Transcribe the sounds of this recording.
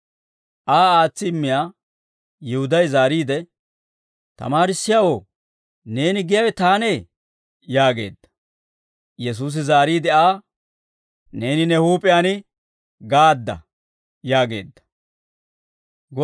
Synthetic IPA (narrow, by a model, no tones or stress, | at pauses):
ʔaːaːt͡sːɪːmːɪjaː | jɪhʊd̪ɐjzaːɾiːd̪ɛ | t̪ɐ̰maːɾɪsːɪjawoː | ne̞ːnɪɡɪjɐwɛt̪aːne | jaːɡe̞̰ːd̪ːɐ̥ | jɛs̬uːs̬ɪzaːɾiːd̪ɛaː | ne̞ːnɪnɛhuːpʼɪjaːnɪ | ɡaːd̪ːɐ̰ | jaːɡe̞̰ːd̪ːɐ̥ | ɡɔ